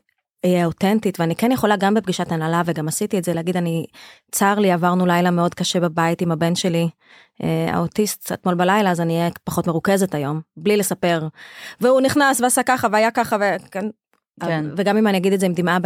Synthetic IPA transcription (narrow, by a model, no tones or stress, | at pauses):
ijɛotentitveanikenjeχo̞laɡambep̚ɡiʃatanalaveɡamasitietzeleaɡid̪anit͡saʁliavaʁnulajlameo̞d̪kaʃebabaitimabe̞nʃe̞li | ʔea̰otist̪a̰t̪mo̞lbalajlaːzaniːjɛpaχo̞tmeʁuke̞zetajo̞mblile̞sape̞ʁveuniχnasveasakaχaveajakaχaveken | veɡamimanijaɡid̪ezeimd̪ima